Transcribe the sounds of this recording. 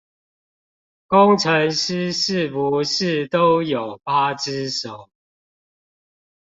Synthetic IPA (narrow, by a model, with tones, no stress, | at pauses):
kʊ˦ŋʈ͡ʂʰə˨˦ŋʂ̩˦ʂɻ̩˥˨pu˨˦ʂɻ̩˥˨t̪o˦ʊjo˨˩ʊpa˦ʈ͡ʂ̩˦ʂo˨˩˦ʊ